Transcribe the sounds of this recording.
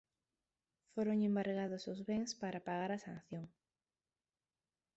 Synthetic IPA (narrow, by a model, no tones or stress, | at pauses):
foɾoŋembaɾɣaðosozβeŋspaɾapaɣaɾasanθjoŋ